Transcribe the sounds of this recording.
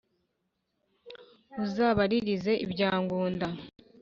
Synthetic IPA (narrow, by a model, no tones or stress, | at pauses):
uzaːβaɾiɾize̞ʔḭbɟaːŋɡuːnda